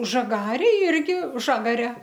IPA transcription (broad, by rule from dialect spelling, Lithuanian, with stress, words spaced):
ʒɐˈɡɑːrʲeːj ˈɪrʲɡʲɪ ˈʒɑːɡɐrʲɛ